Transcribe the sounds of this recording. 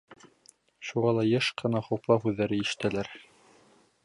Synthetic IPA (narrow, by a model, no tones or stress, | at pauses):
ʃuʁɑlˠɑjɤʃqɤ̆nɑχowplˠɑhʉðːæɾɘiʃɘ̥̆t̪ælæɾ